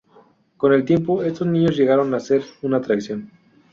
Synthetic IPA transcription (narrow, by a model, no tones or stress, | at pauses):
ko̞ne̞lt̪je̞mpo̞e̞st̪oznĩɲo̞zʝe̞ɣaɾo̞nase̞ɾunaːt̪ɾaksjo̞n